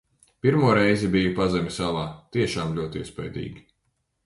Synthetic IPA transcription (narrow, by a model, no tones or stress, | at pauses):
piɾmuɔɾɛjzibijupazɛmʲisalˠaːt̪iɛʃaːmlʲuɔt̪iɛspɛjd̪ḭːɡʲi